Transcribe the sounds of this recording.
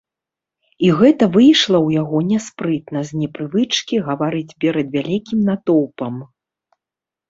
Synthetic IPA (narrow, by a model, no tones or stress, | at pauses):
iɣɛt̪ɐvɨjʂlˠɐwjaɣɔnʲɛspɾɨt̪nɐzʲnʲɛpɾɨvɨt͡ʂkʲiɣɐvaɾɨd͡zʲpʲɛɾɐd̪vʲalʲikʲimnat̪ɔwpɐm